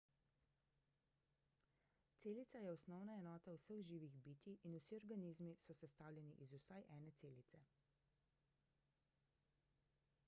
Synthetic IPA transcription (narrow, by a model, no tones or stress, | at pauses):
t̪seːlit̪sajɛɔsnɔwnaɛnɔːt̪ausəɣʒiːʋiɣbiːt̪iʔːnusiɔɾɡaniːzmisɔsɛst̪aːwlʲjɛniʔizusajʔɛːnɛt̪seːlit̪sɛ